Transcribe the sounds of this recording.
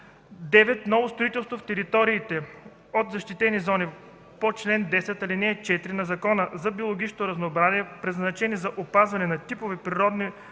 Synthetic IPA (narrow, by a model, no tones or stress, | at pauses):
d̪ɛvɛt̪nɔvost̪ɾoit̪ɛlˠst̪voft̪ɛɾit̪ɔɾiːt̪ɛ | ot̪zɐʃt̪it̪ɛnizɔni | pot͡ʃlɛnd̪ɛsɛt̪ɐlinɛɛt͡ʃɛt̪iɾinɐzɐkɔnəzɐbiolˠoɡʲit͡ʃnot̪ʊɾɐznoːbɾaziɛpɾɛznɐt͡ʃɛnizɐʔopazvɐnɛnɐt̪ipovipɾiɾɔd̪ni